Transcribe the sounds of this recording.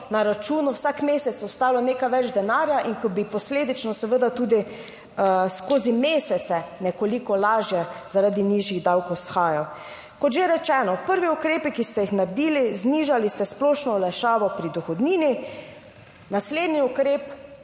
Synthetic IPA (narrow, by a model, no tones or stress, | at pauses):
naɾat͡ʃuːnuwsakmeːsɛt̪sɔst̪aːlɔneːkajʋɛd͡ʒd̪ɛnaːɾjaʔiŋkɔbipɔsleːd̪it͡ʃnɔsɛʋəd̪at̪uːd̪i | skoːzimeːsɛt̪sɛnɛkolikɔlaːʒjɛzaɾad̪iniːʒjiɣd̪awkowsxaːjaw | kɔt̪ʒeɾɛt͡ʃɛːnɔpəɾʋiukɾeːpikist̪ɛjixnaɾd̪iːlizniːʒalist̪ɛsplɔːʃnɔlɛʃaːʋɔpɾid̪ɔxɔd̪niːni | nasleːd̪niukɾeːp